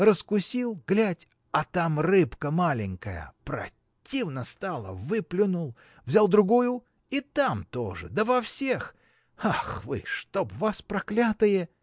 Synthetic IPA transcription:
rəskʊsʲilˠɡlʲætʲ | ɐt̪amrɨpkəmalʲɪŋʲkəjə̰pɾɐ̰ | tʲːivnəst̪alˠə̰vɨplʲɪnʊlˠ | vzʲalˠd̪ɾʊɡujʊ | it̪amt̪oʐɨ̰d̪əvɐfsʲex | axvɨ̰ʂt̪opvaspɾɐklʲat̪ɨjə

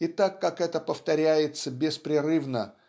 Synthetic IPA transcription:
ɪt̪akːakɛt̪əpəft̪ɐɾʲæjɪt̪səbʲɪspɾʲɪrɨvnə

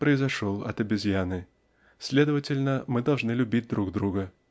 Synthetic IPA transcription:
pɾəɪzɐʂolˠɐ̰t̪əbʲɪzʲjanɨ | sʲlʲe̞d̪əvətʲɪlʲnəmɨd̪ɐlˠʐnɨlʲʊbʲid̚ʲd̪ɾuɡd̪ɾuɡə

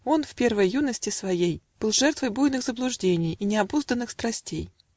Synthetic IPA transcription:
o̞nfʲpʲe̞rvəjjunəsʲtʲɪsvɐjejb̥ɨlˠʐɛrt̪vəjbujnɨxzəblˠʊʐdʲenʲɪjinʲɪɐbuzd̪ənːɨxst̪ɾɐsʲtʲej

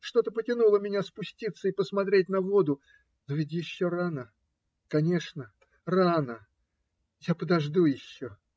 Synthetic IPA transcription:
ʂt̪o̞t̪əpətʲɪnulˠəmʲɪnʲaspʊsʲtʲit̪sːəipəsmɐt̪ɾʲet̚ʲn̪ɐvo̞d̪ʊ | nʊvʲɪt̬ʲjɪɕːoɾanə | kɐnʲe̞ʂnə | ranə | japəd̪ɐʐd̪ujɪɕːo

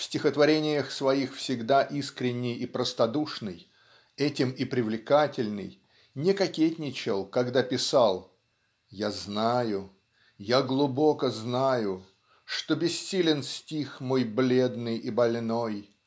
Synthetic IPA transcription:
fsʲtʲɪxət̪vɐɾʲenʲɪjəxsvɐixfsʲɪɡd̪aʔiskɾʲɪnʲːɪjipɾəst̪ɐd̪uʂnɨ̰j | ɛtʲɪmɪpɾʲɪvlʲɪkatʲɪlʲnɨ̰j | nʲɪkɐkʲetʲnʲɪt͡ɕɪlˠkɐɡd̪apʲɪsalˠ | jaznajʊ | jaɡlˠʊbo̞kəznajʊ | ʂt̪o̞bʲɪsːʲilʲɪnsʲtʲixmojblʲe̞d̪nɨjibɐlʲno̞j

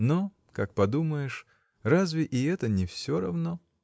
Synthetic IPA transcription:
no | kak̚pɐd̪uməjɪʂ | razvʲɪʔɪɛt̪ənʲɪfsʲoɾɐvno

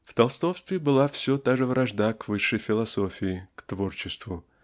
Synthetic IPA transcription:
ft̪ɐlˠst̪ofst̪vʲɪbɨlˠafsʲot̪aʐɨvɾʔɐʐd̪akvɨʂːəjfʲɪlˠɐso̞fʲɪɪkt̪vo̞rt͡ɕɪst̪vʊ

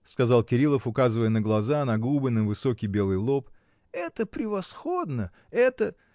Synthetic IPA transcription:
skɐzɑlˠkʲɪɾʲilˠəfʊkazɨvəjənəɡlˠɐzanɐɡubəɪnɨmvɨso̞kʲɪjbʲe̞lˠɨjlˠo̞p | ɛt̪əpɾʲɪvɐsxo̞d̪nə | ɛt̪ə

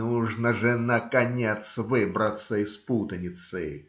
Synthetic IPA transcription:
uʐnəʐɨnəkɐnʲet̪svɨbɾət̪sːəɪsput̪ənʲɪt̪sɨ̰

